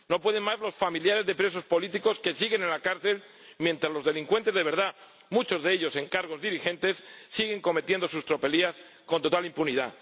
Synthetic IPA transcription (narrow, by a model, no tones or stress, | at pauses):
no̞pwe̞ð̞e̞nmazlo̞sfamiljaɾe̞zðe̞pɾe̞s̬o̞spo̞lit̪iko̞ske̞siɣe̞nenlakaɾθe̞l | mje̞nt̪ɾazlo̞zðe̞liŋkwe̞nt̪e̞zðe̞βe̞ɾð̞a | mut͡ʃo̞zðe̞eʎo̞se̞ŋkaɾɣ̞o̞zðiɾixẽ̞nt̪e̞sːiɣ̞e̞ŋko̞me̞t̪je̞nd̪o̞sust̪ɾo̞pe̞lias | ko̞nt̪o̞t̪alimpuniða̰